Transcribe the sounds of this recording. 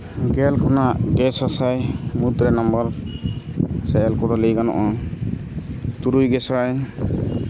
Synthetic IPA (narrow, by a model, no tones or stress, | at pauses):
ɡɛlkʰɔnaʔɡɛsasajmut̪ɾɛnɔmbɔɾ | sɛjɛlkɔɾɔlejɡanɔ̰ʔɔ | t̪uɾujɡɛsaj